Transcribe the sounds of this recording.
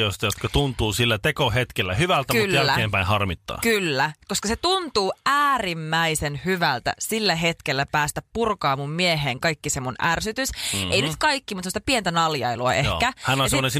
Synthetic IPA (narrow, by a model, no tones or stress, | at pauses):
oist̪ɑjot̪kɑt̪unt̪uːsilːæt̪ekohet̪kelːæhyʋælt̪æmuljælːækeːmpæinhɑrmit̪ːɑ̰ːkylːækoskɑset̪unt̪uːæːrimːæisenhyʋælt̪æ̰silːæɦet̪kelːæpæːst̪æppurkɑːmummieɦeːŋkɑikːisemunʔærsyt̪ysʔeinyt̪kɑikːimut̪semost̪ɑpient̪ænɑljɑ̰iluɑ̰ʔekæhænonɑseːonensi